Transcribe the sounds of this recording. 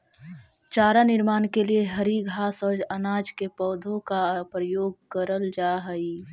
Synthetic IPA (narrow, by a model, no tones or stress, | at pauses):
t͡ʃaːɾanɪɾmaːnkelieɦəɾiɡʱaːsəd͡ʒɐnaːd͡ʒkepɔːd̪ʱõkapɾəjoːɡkəɾəld͡ʒaːɦəi